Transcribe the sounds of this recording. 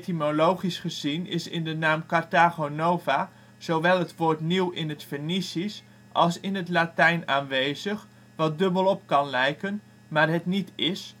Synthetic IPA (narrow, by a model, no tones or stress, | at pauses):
timolowχisχəzinɪ̰sɪ̰ndənaːmkartaɣonowva | z̥owʋɛlˠɦətʋoːrtniwɪnətfərnisis | ʔɑlˠsɪnɦətlatɛjnaːnʋejzəχ | ʋɑt̚dɵbəlˠɔpkɑnlɛjkən | maːrɦətnitɪs